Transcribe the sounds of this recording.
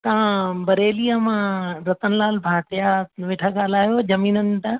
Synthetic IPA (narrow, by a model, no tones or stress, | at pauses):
t̪ɐʋ̤ãbɐɾeːlijamãɾɐt̪ənɪlaːlbʱaːʈ̪ɪjaʋeːʈʰaɡaːlaːjod͡ʑɐmiːnənɪ̆t̪a